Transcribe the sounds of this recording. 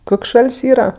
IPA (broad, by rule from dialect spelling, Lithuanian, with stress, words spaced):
ˈkoːkʲ ˈʃɐlʲsʲ ˈiːrɐ